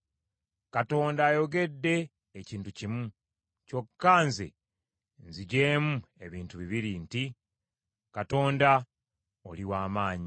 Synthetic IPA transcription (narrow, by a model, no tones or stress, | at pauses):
kato̞ːndaːjo̞ɡe̞dːe̞ː | ciːntucimu | co̞kːaːnzḛ | nziɟeːmue̞βiːntuβiβiɾinti | kato̞ːnda | o̰liwaːmaːɲi